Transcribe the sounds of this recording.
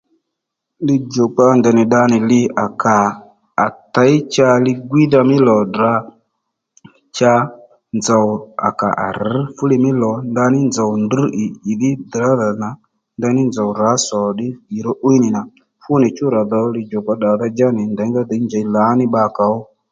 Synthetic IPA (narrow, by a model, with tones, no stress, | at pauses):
lɪ˧d͡ʒɔ˨k͡pa˧ndɛ˨nɪ˨ɗa˧nɪ˨lɪ˧a˨kaː˨ | ta˨˦ɪ˦t͡ʃa˧lɪ˧ɡwi˦ða˧mɪ˦lɔ˨da˨˦ | t͡ʃa˧ | nd͡za˨ʊ˨a̰˨ka̰˨ʔa̰˨ɾ̩˨˦fʊ˦lɪ˧mɪ˦lɔ˨nda˧nɪ˦nd͡za˨wnd̩˦ʔi˨i˨ðɪ˦dɾa˨˦ða˨na˨ | nda˧nɪ˦nd͡za˨wra˨˦sɔ˨ɗɪ˦i˨ɾɔ˦ʔu˦i˦nɪ˨na˨ | fʊ˦nɪ˨t͡ʃʊ˦ɾa˨ðɔ˨lɪ˧d͡ʒɔ˨k͡pa˧ɗa˨ða˧d͡ʒa˦nɪ˨ndɛ˨˦ŋɡa˦d̪ɛ˨i˦nd͡ʒa˨i˦la˨˦nɪ˦ɓa˧˨ka˨ɔ˦